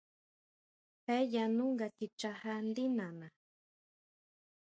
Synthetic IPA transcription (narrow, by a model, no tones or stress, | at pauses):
pajanʊŋɡakit͡ʃahand̪inana